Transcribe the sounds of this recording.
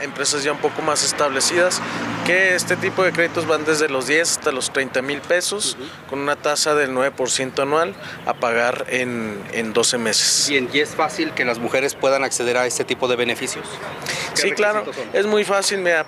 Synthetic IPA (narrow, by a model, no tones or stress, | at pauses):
empɾe̞sazʝaũmpo̞ko̞mase̞st̪aβle̞siðaskeest̪e̞t̪ipo̞ðekɾe̞ðit̪o̞zβand̪e̞zðe̞lo̞zðje̞sast̪alo̞st̪ɾejnt̪amilpe̞so̞s | ko̞nũnat̪asaðe̞lnwe̞βe̞po̞ɾsje̞nt̪oanwal | a̰paɣaɾenḛnd̪o̞se̞me̞se̥seniesfasilke̞lazmuxe̞ɾespwe̞ðanakseð̞e̞ɾaest̪et̪ipoðe̞βenefisjossiklaɾoe̞zmujfasilmea